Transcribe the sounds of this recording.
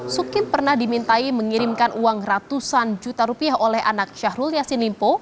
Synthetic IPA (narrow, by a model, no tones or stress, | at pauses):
sukɪnpərnahdimint̪aiməŋiɾimkanʔuaŋrat̪usand͡ʒut̪aɾupiaɦolɛha̰nak̚ʃahɾuljasinlimpo